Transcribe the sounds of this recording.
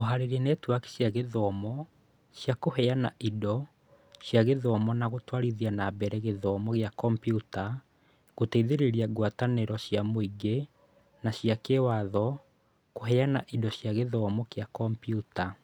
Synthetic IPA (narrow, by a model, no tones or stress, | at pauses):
oɦaɾeɾenɛtwaki̥ɕjaɣeðɔmɔ | ɕjakohɛana̰ʔidɔ | ɕjaɣeðɔmɔnaɣotwaɾiðianabɛɾɛɣeðɔmɔɣejakɔmpjuta | ɣotɛiðeɾeɾiaɡwataneɾɔɕjamoiɡe | naɕjakewaðɔ | koɦɛjanaʔidɔɕjaɣeðɔmɔkejakɔmpjuta